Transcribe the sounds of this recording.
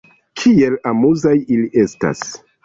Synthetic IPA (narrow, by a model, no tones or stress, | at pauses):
kʰie̞lamuzajiliʔe̞sta̰s